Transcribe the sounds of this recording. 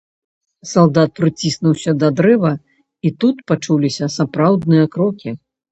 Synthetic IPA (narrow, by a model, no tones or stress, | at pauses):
salˠd̪at̪̚pɾɨt͡sʲisnuwsʲɐd̪ɐd̪ɾɛvɐ | it̪ut̪pat͡ʂulʲisʲɐsapɾawd̪nɨjɐkɾɔkʲi